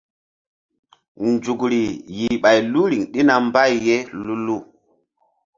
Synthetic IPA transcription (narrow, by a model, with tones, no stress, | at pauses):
nd͡ʒu˨kɾi˨ji˨ɓa˨jlu˦ɾi˨ŋɗi˦na˨mba˦˨jːe˦lu˦lu˦˨